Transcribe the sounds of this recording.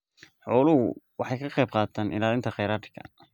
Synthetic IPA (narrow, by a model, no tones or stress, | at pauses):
ħɔːlʊhʊ̰wɑħɑjkʰɐqɛjb̚qɑːt̪ʰaːnʔɪ̰laːlɪnt̪ʰɐχɛjɾaːt̪ʰɪkʰɐ̰